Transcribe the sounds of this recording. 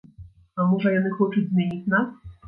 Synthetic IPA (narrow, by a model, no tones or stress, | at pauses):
amuʐajɛnɘxɔt͡ʂɨd͡ʑʲzmʲjeɲit͡ɕnas